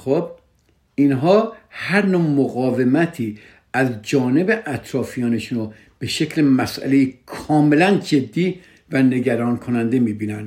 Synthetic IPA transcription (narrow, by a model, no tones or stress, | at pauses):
xob̚ | inɦɒːhæɾnoːmoɣɒːvemæt̪ʰiː | æzd͡ʒɒːne̞be̞ʔæt̪ʰɾɒːfijɒːneʃuːno | b̥e̞ʃe̞cʰlemæsʔæ̰lejikʰɒːme̞lænd͡ʒe̞d̪ːiː | væne̞ɡæɾɒːnkʰonænd̪e̞miːbiːnæn